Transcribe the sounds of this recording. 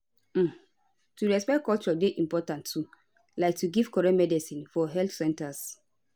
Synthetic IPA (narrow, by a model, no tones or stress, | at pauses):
m̩ | tuɹɛspɛkɔlt͡ʃɔdeʔĩmpɔtãntʰːu | laɪk̚tuɡiv̥kɔɹɛ̃nmɛdisĩnfɔɦɛlθsɛ̃ntas